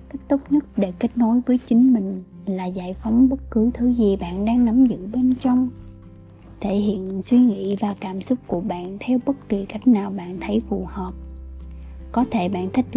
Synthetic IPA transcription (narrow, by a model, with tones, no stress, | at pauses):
ka˦˥jk̟̚t̪o˦˥k͡p̚ɲə˦˥t̚ɗe˧˩ke˦˥jk̚no˨˦jvəː˨˦jt͡ɕï˨˦ŋ̟mï˨˩ŋ̟laː˨˩za̰ː˧˨jfɔ˨˦wŋ͡mɓə˦˥t̚kɨ˨˦t̪ʰɨ˨˦zi˨˩ɓa̰ː˧˨nɗaː˧ŋna˨˦mzɨ̰˧˨ɓe˧nt͡ɕɔ˧wŋ͡m | t̪ʰe˧˩ɦḭ˧˨ənswi˧ŋḭ˧˥˨vaː˨˩kaː˧˩msʊ˦˥k͡p̚ku˧˩əɓa̰ː˧˨nt̪ʰɛ˧wɓə˦˥t̚t̪wi˨˩ka˦˥jk̟̚naː˨˩wɓa̰ː˧˨nt̪ʰə˨˦jfṵ˧˨˩hɔː˨˩p̚ | kɔ˨˦t̪ʰe˧˩ɓa̰ː˧˨nt̪ʰi˦˥k̚